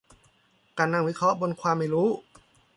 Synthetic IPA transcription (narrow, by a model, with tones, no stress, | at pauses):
kaː˧˩nːa˧˩ŋwi˦˥kʰɾɔ˦˥ʔbo˧nkʰwaː˧mːa˧˩jɾuː˦˥